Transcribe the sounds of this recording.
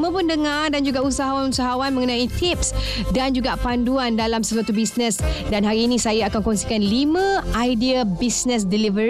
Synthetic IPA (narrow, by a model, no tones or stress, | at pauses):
mãpʊndəŋardand͡ʒuɡausaɦawanusaɦawanməŋənãit̪ip̚s | dand͡ʒuɡapanduandalamsəsuwat̪ubisnəsdanɦaɾiːnĩsajaakankɔnsikanlimãʔajdiabisnə̃s̬dilivə